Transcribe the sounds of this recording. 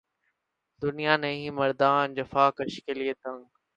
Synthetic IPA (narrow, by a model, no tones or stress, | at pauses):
d̪ʊnijaːnẽɦĩːmɐɾd̪aːnd͡ʑɐfaːkɐʃkeliət̪ɐ̃ŋɡ